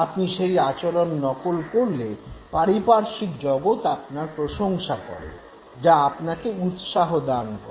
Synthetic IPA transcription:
apniʃejat͡ɕolonːɔkolkoɾlepaɾipaɾʃikd͡ʑɔɡot̪apnaɾpɾoʃoŋʃakɔ̰ɾḛn | d͡ʑaapnakeut̪ʃaɦod̪ankɔ̰

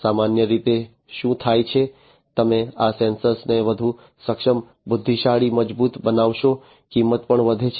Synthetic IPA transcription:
samanjəɾit̪e | ʃũt̪ʰajt͡ʃʰe | t̪əmeasensəɾsneʋəd̪ʱu | səkʃəm | bʊd̪ʱːiʃaɭiməd͡ʒbut̪bənaʋʃo | kimːət̪pəɳʋəd̪ʱet͡ʃʰ

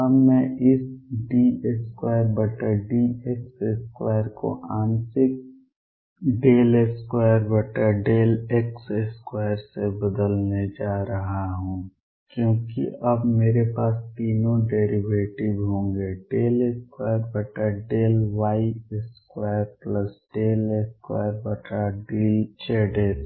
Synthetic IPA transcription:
ɐbmɛ̃ʔɪsɖiːeskwaːjəɾbɐʈəɾɖiːekseskwaːəɾko̰ʔaːnsɪk̚ | ɖeːleskwaːjəɾbəʈəɾɖeːlekseskwaːəɾsebɐd̪əlned͡ʒaːɾɐɦaɦũː | kjõːkḭʔɐbmeːɾepaːst̪iːnõɖeːɾiʋeːʈɪʋɦõːŋɡeɖeːleskwaːjəɾbɔːʈəɾɖeːlʋaːieskwaːjəɾpləsɖeːleskwa̰ːəɾbɔːʈəɖiːt͡ʃeɖeːs

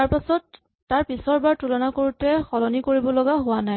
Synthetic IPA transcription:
aɹpasɔtː | aɹpisɔɹbaɹtulɔnakoɹutɛxɔlɔnikoɹibɔlɔɡaɦʊana

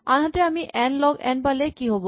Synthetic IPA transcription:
anɦaʈ̪eamiʔɛnlɔɡɛ̰nbalekiɦɔbo

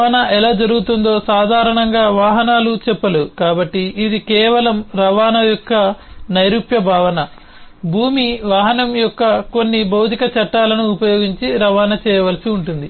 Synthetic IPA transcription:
ɐnɐʔɛlaːd͡ʒɐɾuɡut̪und̪o̞ːsaːd̪ʱaːɾɐɳɐŋɡaːʋaːɦɐnaːlut͡ʃɛpːɐlukaːbɐʈːiːd̪ikɛːʋɐlɐmɾɐʋaːnɐjɔkːɐnɐjɾupjɐbʱaːʋɐnɐ | bʱuːmiʋaːɦɐnɐmjɔkːɐko̞nːibʱɐwt̪ikɐt͡ʃɐʈːaːlɐnuːpɐjoːɡiɲt͡ʃiɾɐʋaːnɐt͡ʃɛːjɐʋɐlɐsiuɳʈund̪i

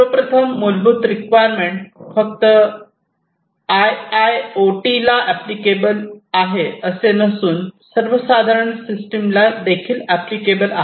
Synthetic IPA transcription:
pəpɾət̪ʰəmːolbʱuːt̪ɾikʋajəɾmeɳʈfək̚t̪ə | ajajoʈilaʔæplikebəlaɦeəsenəsuːnsəɾʋəsad̪ʱaɾəɳsisʈemlad̪ekʰiːlæplikebəlaɦ

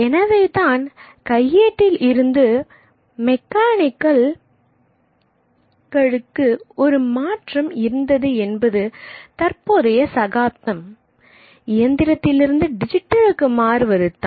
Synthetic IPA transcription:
ɛnɐʋɐɪt̪aːn | kɐjːeːʈːɪlɪɾɯnd̪ɯ | mɛkːaːnɪkːɐl | ɡɐɻɯkːɯɔɾɯmaːʈrɐmɪɾɯnd̪ɐðɯɛnbɐðɯt̪ɐrpoːðɐjɐsɐɣaːpt̪ːɐm | ɪjɐnd̪ɪɾɐt̪ːɪlɪɾɯnd̪ɯɖɪd͡ʒɪʈːɐɭɯkːɯmaːɾɯʋɐɾɯt̪ːã̰ː

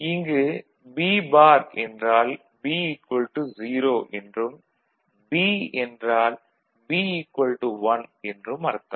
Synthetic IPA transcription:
ɪŋɡɯ | biːbaːɾɛndraːl | biːɪkːɐlʈɯziːɾoːʔɛndrɯm | biːɛndraːl | biːɪkwɐlʈɯʋɐnɛndrɯmɐɾɯt̪ːɐm

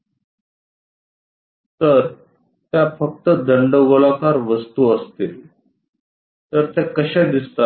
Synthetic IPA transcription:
t̪əɾ | t̪jafək̚t̪əd̪ʱəɳɖəʋoɭakaɾʋəst̪uəst̪il | t̪əɾt̪akəɕɛ̃d̪ist̪a

